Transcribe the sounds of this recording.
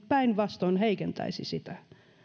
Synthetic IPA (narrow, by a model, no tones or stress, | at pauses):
pæinʋɑst̪oinheikent̪æ̰isḭsit̪æ